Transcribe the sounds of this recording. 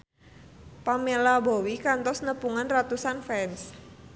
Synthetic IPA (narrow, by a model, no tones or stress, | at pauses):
pamelabowikant̪ɔsnəpuŋanrat̪usanfɛns